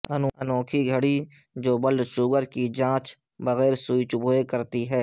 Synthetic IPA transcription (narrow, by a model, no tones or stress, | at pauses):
ənʊənõːkʰiɡʱəɽi | d͡ʒoːbəlʃuːɡəɾkid͡ʒãːt͡ʃ | bəɣɛːɾsuːit͡ʃʊbʱoːekəɾt̪iɦɛː